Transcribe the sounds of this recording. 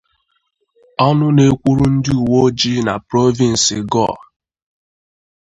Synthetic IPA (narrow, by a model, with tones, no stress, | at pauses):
ɔ˦nʊ˦ne˦kʷu˦ɾu˦n̩˦dɪ˦u˨wo˦d͡ʒi˦na˨pɾo˦vi˨n̩˨sɪ˨ɡɔ̰˦˨